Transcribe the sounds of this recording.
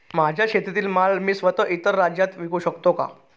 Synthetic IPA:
mad͡ʑʱjaɕet̪it̪iːlmalmiːsʋət̪əːʔit̪əɾːad͡ʑjat̪ʋikuːɕəkt̪oka̰

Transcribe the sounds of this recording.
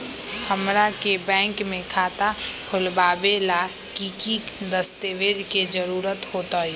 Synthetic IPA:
həmɾakebɛ̃ːŋkmẽkʰaːt̪apʰʊlbaːbela | kikid̪əst̪eʋed͡ʒked͡ʒəɾuːɾət̪hoːt̪aɛ

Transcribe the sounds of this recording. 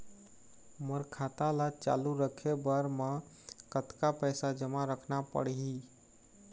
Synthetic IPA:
məɾkʰat̪alat͡ʃa̰luɾəkʰebəɾme | kət̪kapəjsad͡ʒəmaɾəkʰnapə̰ɽɦi

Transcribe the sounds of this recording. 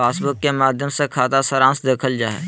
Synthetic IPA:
faːsbʊkːemaːd̪ʱjəmsekʰaːt̪asəɾãːsd̪eːkʰəld͡ʒaːɛ̰ː

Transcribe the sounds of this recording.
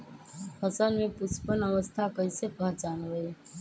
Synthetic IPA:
həsəlmẽpʊspənəʋəst̪ʰakəjsepãt͡ʃanʋəe

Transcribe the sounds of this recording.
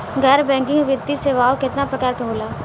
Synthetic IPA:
ɡɛːɾbɛ̃ːŋkɪ̃ŋɡʋɪd̪ːiseʋaːokɪt̪napɾɐkaːɾkɐɦoːlaː

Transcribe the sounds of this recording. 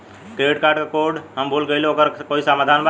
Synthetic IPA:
keʈkaːɾɖkakoɖɦəmbʱulɡeɪleoːkəɾkoisamaːd̪ʱanba

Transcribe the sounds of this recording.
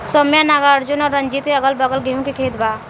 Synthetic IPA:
sɔmjanaɡaɾd͡ʒunɔːɾːənd͡ʒit̪eəɡəlbəɡəlɡeɦũkikʰed̪ba

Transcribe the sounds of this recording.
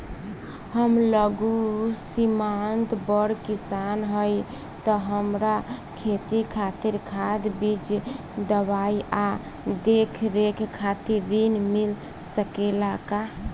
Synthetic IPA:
həmləɡusimant̪bəɽkisanɦəj | t̪əɦəmɾakʰet̪ikʰat̪iɾkʰad̪bid͡ʒ | d̪əbaiʔa | d̪ekʰɾekʰkʰːat̪iɾinmil | səkelaka

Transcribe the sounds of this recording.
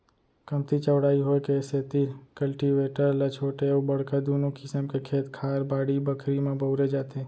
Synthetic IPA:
kəmt̪ʰit͡ʃəwɽaːiɦojkeset̪ikəlʈiʋeʈəɾlat͡ʃʰoʈeubəɽ̤kad̪unokɪsəmkekʰet̪kʰaɾbaɽibəkʰɾimẽbəʊɾed͡ʒat̪e

